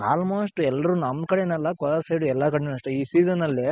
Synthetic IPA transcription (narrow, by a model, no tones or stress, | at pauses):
a̰ːlmoːsʈɛlːɐɾunɐmd̪kɐɽenɛlːɐkɔlɐɾsɐjɖuɛlːɐkɐɽenɐʂʈiːsiːzɐnɐlːe